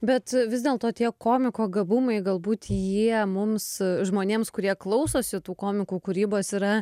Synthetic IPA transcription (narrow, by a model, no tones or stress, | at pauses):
bʲɛt̪ʋʲɪzd̪ʲeːlˠt̪oːt̪ʲiɛkoːmʲɪkoːɡɐbʊmɐɪɡɐlˠbuːt̪jiɛmʊmsʒmoːnʲeːmskʊɾʲiɛklˠɐʊsoːsʲɪt̪uːkoːmʲɪkuːkʊɾʲiːboːsiːɾɐ